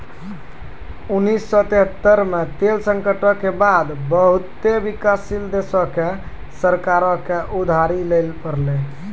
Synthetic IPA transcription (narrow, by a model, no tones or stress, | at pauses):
unːisːɔt̪eɦət̪ːəɾmet̪elsəŋkəʈəkebad̪bəɦut̪ebikasild̪esɔke | səɾkaɾɔkeʔud̪ʱaɾilelpəɾle